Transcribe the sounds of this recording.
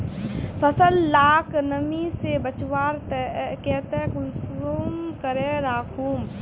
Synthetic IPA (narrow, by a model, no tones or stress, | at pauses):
pʰəsəlːaːknəmisebət͡ʃwaːɾt̪ɛkɛt̪ɛkʊlsoːmkəɾẽɾaːkʰuːm